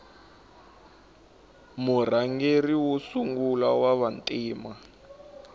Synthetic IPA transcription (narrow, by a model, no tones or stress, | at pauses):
mur̤aŋɡeriwosuŋɡulawaβantʼiːma